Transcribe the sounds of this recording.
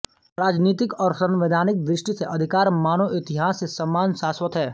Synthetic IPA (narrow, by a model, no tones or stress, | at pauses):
ɾaːd͡ʒniːt̪ɪkɔːɾsɐ̃nʋɪd̪ʱaːnɪk̚d̪ɾɪʃʈiseʔɐd̪ʱɪkaːɾmaːnoʔɪt̪ɪɦaːsesɐmːaːnʃaːswət̪ɦɛː